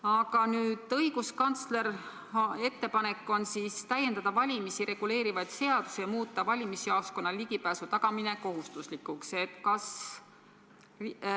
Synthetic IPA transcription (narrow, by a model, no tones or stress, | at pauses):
ɑɡ̥ɑnyːd̪̥ɤiɡuskɑnt̪sle̞r | e̞t̪ːe̞pɑne̞kːˑo̞nsiːst̪æjend̪ɑd̪̥ɑvɑlʲimisiɾe̞ɡ̥ule̞ːɾivɑjt̪se̞ɑd̪̥usejɑmuːt̪ːˑɑvɑlʲimisiɑːsko̞nːɑliɡipæːsut̪ɑɡ̥ɑmine̞ko̞ɦust̪uslikːˑukse̞t̪ːˑkɑs